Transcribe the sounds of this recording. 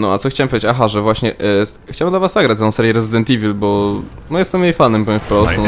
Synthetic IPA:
nɔa̰tsɔxt͡ɕawɛmpɔjd͡ʑt͡ɕːet͡ɕaxaʐɛvwaɕɲɛʔ | xt͡ɕawɛmd̪lavaszaɡɾat͡ɕ̪ɔ̃sɛɾʲjɛɾɛzɨd̪ɛnt̪ivʲilbɔ | nɔjɛst̪ɛmjɛjfanɛmpɔfpɾɔs

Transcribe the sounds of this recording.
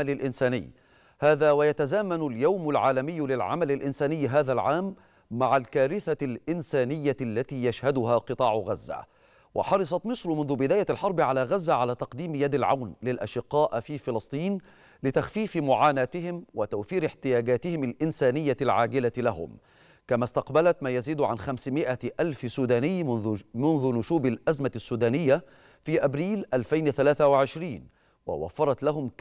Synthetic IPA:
lɪlʔɪnsaːnɪ̰jː | haːðaːwajat̪azaːmanʊljawmalʕaːlamɪjːlɪlʕa̰malɪlʔɪnsaːnɪjːɦaːðalʕaːmː | aʕalkaːɾɪθalʔɪnsaːnɪjːalːat̪iːjaʃhad̪ʊɦaːqɨt̪ˤɑːʕʊɣazːa̰ | wʔɪ̰ħɑɾˤɑsˤɑt̪mɨsɾˤʊmʊnðʊbɪd̪aːjaʔlħɑɾˤbɪʕalaːɣazːaʕalaːt̪ɑqd̪iːmjad̪alʕa̰wnlɪlʔa̰ʃɪqːɑːʔfiːfɪlɑsˤt̪ˤiːn | lɪt̪axfiːfɪmʊʕaːnaːt̪ɪhɪmwɪt̪awfiːɾɪħt̪ɪjaːɡaːt̪ɪhɪmalʔɪnsæːnɪjːalʕaːɡɪlalaɦʊ̰m | kamaːst̪ɑqbalat̪maːjaziːd̪ʕanxamsmɪʔaʔalfsuːd̪aːnɪjːmʊnðʊnʊʃuːbalʔæzmasːuːd̪aːnɪjːa | fiːʔabɾiːlʔalfajnɪθalaːθawɪʕɪʃɾiːn | wa̰wa̰fːɑɾˤɑt̪laɦʊm

